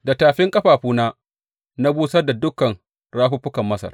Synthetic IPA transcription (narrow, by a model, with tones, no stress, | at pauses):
da˨taː˨ɸɪ˦ŋkʼɐ˦ɸaː˨ɸuː˦naː˦ | na˦buː˦sɐ˦rda˨dʊ˦kːɐ˨n | ɽaː˦ɸu˦ɸʊ˦kɐ˨mːɐ˦sɐ̰˨r